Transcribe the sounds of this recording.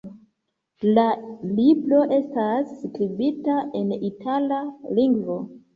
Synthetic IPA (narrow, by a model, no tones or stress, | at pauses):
lalibɾo̞ʔe̞stasːkɾibitaʔe̞nitʰalaliŋɡvo̞